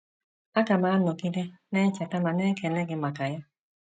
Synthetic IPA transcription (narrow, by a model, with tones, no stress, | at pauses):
a˦ka˨maː˨˦no˨ɡi˦de˦nɛː˦t͡ʃa˨ta˦ma˨nɛː˦kɛ˨lɛ˦ɡɪ˧ma˨ka˨jɔ˦